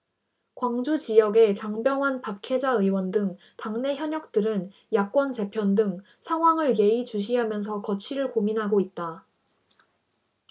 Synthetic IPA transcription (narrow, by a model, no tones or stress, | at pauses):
kwaŋd͡ʑut͡ɕijʌɡe̞t͡ɕaŋbjʌŋɦanpakʰe̞d͡ʑaɯwʌndɯŋ | taŋne̞çjʌɲʌk̚t͈ɯɾɯn | jak̚k͈wʌnte̞pʰjʌndɯŋ | sʰaŋɦwaŋɯɭje̞it͡ɕuɕ̬ʰiɦamjʌns̬ʰʌkʌt͡ɕʰiɾɯɭkominɦaɡoit̚t͈a